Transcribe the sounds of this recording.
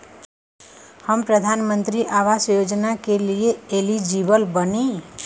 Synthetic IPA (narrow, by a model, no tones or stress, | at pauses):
həmpɾəd̪ʱanmə̃nt̪ɾiʔaʋasjod͡ʒnakelieelid͡ʒiʋəlbəni